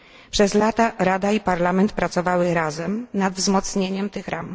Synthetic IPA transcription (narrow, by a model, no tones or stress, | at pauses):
pʂɛzlat̪aɾad̪aipaɾlamɛnt̪̚pɾat̪sɔvawɘɾazɛmnad̪vzmɔt̪sɲeɲɛmt̪ɘxɾʔam